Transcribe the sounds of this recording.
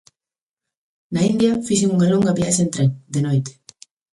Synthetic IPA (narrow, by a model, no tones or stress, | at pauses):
naind̪jɐfiʃiŋuŋɐloŋɡɐβjaʃaent̪ɾeŋd̪enojt̪e̥